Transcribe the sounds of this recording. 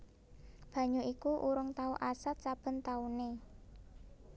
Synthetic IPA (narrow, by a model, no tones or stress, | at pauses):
b̥ä̤ɲuʔikuʔuɾʊŋt̪auʔasat̪̚t͡ʃab̥ə̤nt̪aune